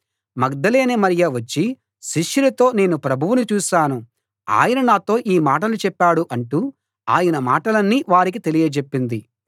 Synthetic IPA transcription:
mɐɡd̪ɐle̞ːnemɐɾijɐʋɐt͡ʃːi | ʃiʂːuɾɐt̪o̞ːne̞ːnupɾɐbʱuʋunut͡ʃuːʃaːnu | a̰ːjɐnɐnaːt̪o̞ːʔiːmaːʈ̬ɐlut͡ʃɛpːaːɽuʔɐɳʈuː | aːjɐnɐmaːʈɐlɐnːiːʋaːɾik̬it̪e̞lijɐt͡ʃepːind̪i

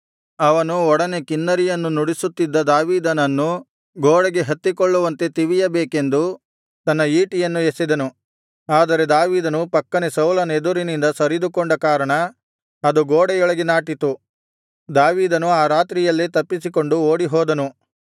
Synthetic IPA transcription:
ɐʋɐnuɔɽɐne̞kinːɐɾijɐnːunuɽisut̪ːid̪ːɐd̪aːʋiːd̪ɐnɐnːu | ɡoːɽɐɡe̞ɦɐt̪ːikɔɭːuʋɐnt̪e̞t̪iʋijɐbeːke̞nd̪u | t̪ɐnːɐiːʈijɐnːuesid̪ɐnu | aːd̪ɐɾe̞d̪aːʋiːd̪ɐnupɐkːɐnesɐwlɐned̪uɾinind̪ɐsɐɾid̪ukoɳɖɐkaːɾɐɳɐː | d̪uɡoːɽɐjɔɭɐɡenaːʈit̪u | d̪aːʋiːd̪ɐnuaːɾaːt̪ɾijɐlːit̪ɐpːisiko̞ɳɖuoːɽiɦɔːd̪ɐnu

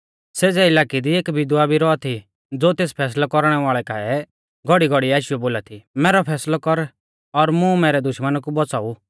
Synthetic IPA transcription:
seːd͡zɛɪlaːkid̪ieːkbʱɪd̪abʱiɾɔat̪ʰi | d͡zoːt̪eːspʰɛːs̬lakɔɾɽ̃ɛʋaːɭɛkaɛ | ɡʱɔɽiɡʱɔɽiaːʃɪjoboːlat̪ʰimɛːɾɔpʰɛːslɔkɔɾ | ɔɾmũmɛːɾɛd̪ʊʃmənakubɔt͡saːu

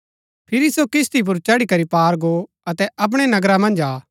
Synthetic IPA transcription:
pʰɪɾisokɪst̪ip̬ʊɾt͡ʃɐɽikɐɾipaːɾɡo | ɐt̪ɛɐp̬ɽ̃ɛnɐɡɾamɐ̃nd͡ʒaː

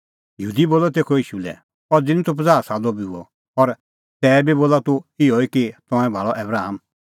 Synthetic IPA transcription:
jəɦuːd̪iboːlɔt̪̬eːkʰɔɪʃulɛ̰ | ɔɾd͡zɪnĩt̪ʰop̬ɐd͡zaːɾsaːlɔbiuɔ̰ | ɔɾ | t̪ɛːbiboːlat̪uɪɔikit̪ɔ̃ɛ̃bʱaːɭɔʔɛbɾaːɦəm

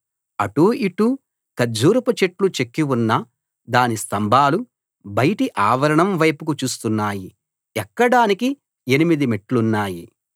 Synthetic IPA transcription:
ɐʈuiʈu | kɐd͡ʒuːɾuput͡ʃeʈlut͡ʃekːiwunːɐ | d̪aːnist̪ɐmbʱaːlu | bɐjɐʈiʔaːʋɐɾɐɳɐmʋɐjpukut͡ʃuːst̪unːaːji | ɛkːɐɽaːniki | e̞nimid̪imeʈlunːaːji

